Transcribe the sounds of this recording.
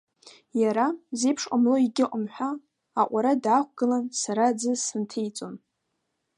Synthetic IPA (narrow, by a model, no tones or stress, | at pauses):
jaɾaze̞jpʰʂqʷʼamlo̞iɡʲɪʔʷʼʊmħʷᶣaː | ʔʷaɾadaχʷɡ̥ɨlansaɾad͡zɨsɨntʰejt͡sʼon